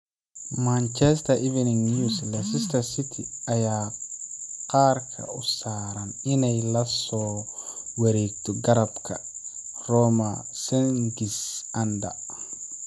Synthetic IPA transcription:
mant͡ʃɛst̪ʰɐʔivɛnɪŋjuslɐsɪst̪ʰɐsɪt̪ʰiɐjaː | qɑːrkʰɐ̰ʊsaːɾɐnɪnɛjlɐsɔːwɐɾɛːɡ̚t̪ʰɔɡɐɾɐbkʰɐrɔːmɐsɛŋɡɪsʔɐnd̪ɐ̰

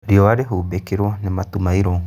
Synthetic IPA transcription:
ɾiɔwaɾeɦuːbekeɾwɔnematumaiɾɔ

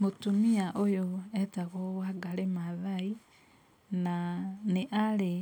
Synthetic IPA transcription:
motumiaʔojoetaɣowaɡalemaðai | naneʔale

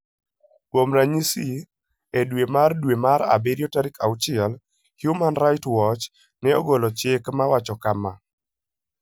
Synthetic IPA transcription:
kwomɾaɲisi | edwemardwemaɾa̰beɾjɔtaɾikʰawt͡ʃɪɛl | hjumanɾajtwɔt͡ʃ | nɛɔ̰ɡolɔt͡ʃekmawat͡ʃɔkama

